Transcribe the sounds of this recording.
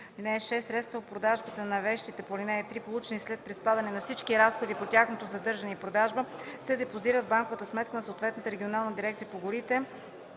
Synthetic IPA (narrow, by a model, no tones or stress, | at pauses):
linɛːʃɛsːɾɛt̪st̪vəot̪pɾod̪aʒbət̪ənɐvɛʃt̪it̪ɛpolʲinɛɛt̪ɾipolˠut͡ʃɛnislɛt̪̚pɾispad̪ɐnɛnɐfsit͡ʃkiɾasxod̪ipotʲjaxnot̪ozɐd̪ɤɾʒɐnɛipɾod̪aʒbəsɛd̪ɛpoziɾəd̪̚baŋkovət̪əsmɛt̪̚kənɐsoːt̪vɛt̪nət̪əɾɛɡʲionalˠnəd̪iɾɛkt̪ijəpoɡʊɾit̪ɛ